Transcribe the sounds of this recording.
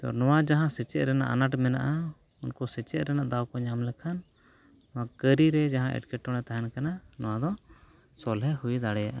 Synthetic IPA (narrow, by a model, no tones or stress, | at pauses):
t̪ɔ̰nɔwad͡ʒaɦãsɛt͡ʃɛʔ̪̚ɾɛna̰ʔa̰naʈmɛnaʔa | unkɔsɛt͡ʃɛʔ̪ɾɛnaʔd̪awkɔɲamlɛkʰan | nɔwakəɾiɾɛd͡ʒaɦãʔɛ̰ʈkɛʈːɔɽɛt̪aɦɛnkananɔwad̪ɔ | sɔlɦɛhujd̪aɽɛjaʔa